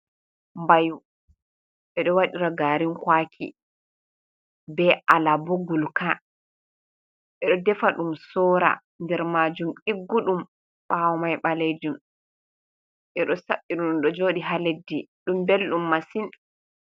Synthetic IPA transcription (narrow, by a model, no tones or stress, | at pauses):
mbaju | ɓɛɗɔwaɗiɾaɡaːɾinkwaːkʰḭ | bɛʔalaboɡulka | ɓɛɗɔdɛfaɗumsɔːɾa̰ | ndɛɾmad͡ʒumʔiɡːuɗum | ɓawɔmajɓaled͡ʒum | ʔɛɗɔsaɓːiɗunumɗɔd͡ʒoːɗiɦaledːiɗumbelɗumːasin